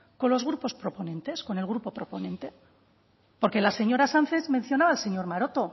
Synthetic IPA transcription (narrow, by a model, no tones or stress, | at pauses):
ko̞nlo̞zɣ̞ɾupo̞spɾo̞po̞nẽ̞nt̪e̞sko̞ne̞lɣ̞ɾupo̞pɾo̞po̞nẽ̞nt̪e̞ | po̞ɾke̞lase̞ɲo̞ɾasan̟θezmẽ̞n̟θjo̞naβaelse̞ɲo̞ɾmaɾo̞t̪o̞